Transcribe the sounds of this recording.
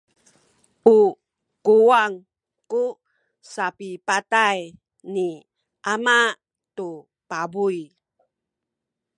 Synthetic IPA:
ʔu | kuwaŋ | ku | sapipataj | ni | ʔamaʔ | t̪u | pabuj

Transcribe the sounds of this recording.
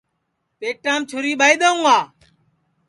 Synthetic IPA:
peːʈːaːmt͡ʃʰʊɾiːɓaːiːɗ̪əũːaː

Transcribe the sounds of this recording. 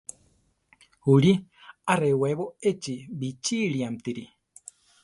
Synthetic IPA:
huɾiareweβoet͡ʃibit͡ʃiɾiamt̪iɾi

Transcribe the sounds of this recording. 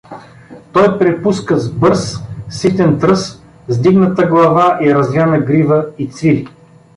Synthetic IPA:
t̪ɔjpɾɛpuskəzbɤɾsːit̪ʲɛnt̪ɾɤs | zd̪iɡnət̪əɡlˠɐvaʔiɾɐzlʲanəɡɾivəit̪svilʲi

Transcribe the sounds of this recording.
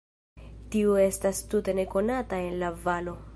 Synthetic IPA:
tiue̞stastute̞ne̞ko̞natae̞nlavalo̞

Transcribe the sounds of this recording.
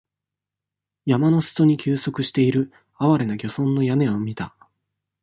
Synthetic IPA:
jamano̞sɨ̥t͡soɲ̟ikʲɨːso̞kɯ̟ɕi̥t̪e̞iɾɯ̟ | aβaɾe̞naɡʲo̞sõ̞nːo̞jame̞omʲit̪a

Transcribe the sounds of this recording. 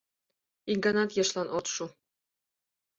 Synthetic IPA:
iŋɡɑnɑt̪jɤ̆ʃlˠɑnot̪ʃu

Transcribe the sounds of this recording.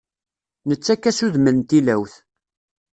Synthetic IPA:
nət͡sːækːæsuðməlnt̪ilæwθ

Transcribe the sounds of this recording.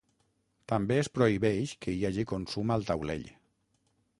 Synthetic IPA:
t̪ambeəspɾoiβɛʃkəiaʒikonsumalˠt̪awlḛʎ

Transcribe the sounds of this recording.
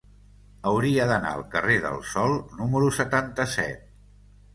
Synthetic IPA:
əwɾiəðəna̰ə̰lˠkəreðə̰lˠsɔlˠnuməɾusət̪ant̪əsɛ̰t̪̚

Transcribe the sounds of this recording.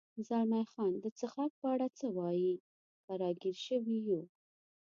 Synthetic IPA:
zɑɾnajxɑnd̪ət͡səxɑk̚pəaɽat͡səwɑji | t̪aɾɑɡiɾʃəwiju

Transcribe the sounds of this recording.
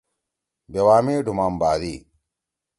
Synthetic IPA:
bɐwaːmeːɖʱumaːmbaːd̪iː

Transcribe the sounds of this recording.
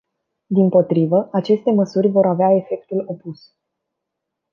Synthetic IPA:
d̪impo̞t̪ɾivəat͡ʃe̞st̪e̞məsurʲvo̞ɾaveae̞fe̞k̚t̪ulo̞pus

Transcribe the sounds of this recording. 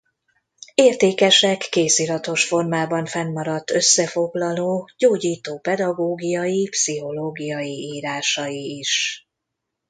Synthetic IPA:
eːrt̪eːkɛʃɛkːeːsilɒt̪o̞ʃfo̞rmaːbɒɱfɛnːɒɾɒt̪ːøsːɛfo̞ɡlɒloːɟoːɟiːt̪oːpɛd̪ɒɡoːɡijɒjipsiɦo̞loːɡijɒjiiːɾaːʃɒjiːʃ

